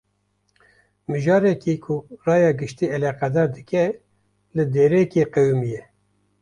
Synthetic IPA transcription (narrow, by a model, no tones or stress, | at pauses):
mɨʒɑːɾɛkiːkʰʊrɑːjɑːɡɨʃt̪iːɛlɑqɛd̪ɑːɾd̪ɨkɛ | lɨd̪eːɾeːkeːqewmijɛ